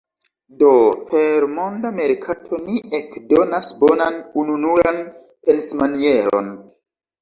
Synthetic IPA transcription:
do̞pʰe̞ɾmo̞ndame̞ɾkʰatʰo̞niʔekdo̞nasbonanununuɾan | pe̞nsmanie̞ɾo̞̰n

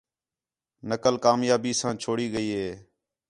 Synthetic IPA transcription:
nəkəlkaːmjaːbiːsãːt͡ʃʰoːɽiːɠəiːɦeː

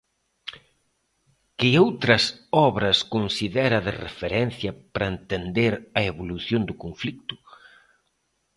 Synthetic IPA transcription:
kɪowt̪ɾɐsɔβɾɐskonsiðɛɾɐðɪ̰rḛfeɾɛn̟θjɐpɾɐent̪end̪eɾɐeβoluθjond̪ʊkoɱflik̚t̪ʊ̥

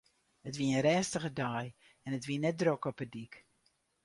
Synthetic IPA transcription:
ətʋiəənɾɛːstəχədaːj | ɛnətʋiənɛt̚drokɔpədik

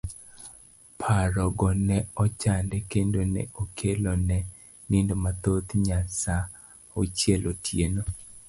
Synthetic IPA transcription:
pʰaɾɔɡɔnɛɔt͡ʃandɛkendonḛʔokʰelonɛ | nɪndomat̪ot̪ɲasa | ot͡ʃjelʔotʰjeno

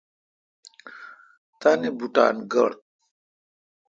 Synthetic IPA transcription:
t̪anibuʈa̰ːnɡɐ̰ɽt̪̚

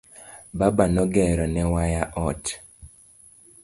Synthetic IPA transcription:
babanɔɡɛɾɔnɛwajaʔɔt

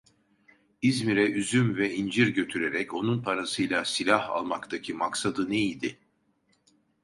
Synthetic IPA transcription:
izmiɾɛyzymvɛind͡ʒiɾɟø̞t̪ʰyɾe̞ɾɛco̞nunpʰaɾasɯjlʲˠasilʲaha̰lˠmakt̪ʰacʰimaksad̪ɯnejilʲd̪ɪ

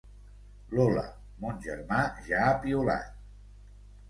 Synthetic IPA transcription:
lolə̰ | monʲʒəɾmaʒaːpiula̰t̪̚

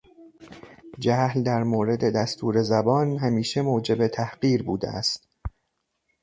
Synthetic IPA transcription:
d͡ʒæhld̪æɾmoːɾe̞d̪e̞d̪æst̪ʰuːɾe̞zæbɒːnɦæmiːʃemoːd͡ʒe̞bet̪ʰæhɢiːɾbuːd̪ḛæ̰st̪

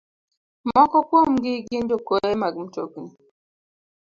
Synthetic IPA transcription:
mɔkɔkwomɡiɡindokoemaɡm̩tokni

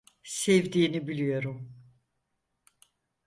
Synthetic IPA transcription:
sɛvd̪iːnibilʲijo̞ɾum

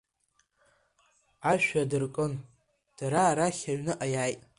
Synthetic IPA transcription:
aʃᶣadɨrkʼɨn | d̥ɾaɾaχʲaɥnɨʔajaːjtʼ

